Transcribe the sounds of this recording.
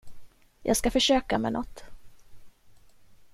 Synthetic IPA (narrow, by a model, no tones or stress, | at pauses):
jʔɑ̰ːɡskafœʂøːkamɛnɔt̪ː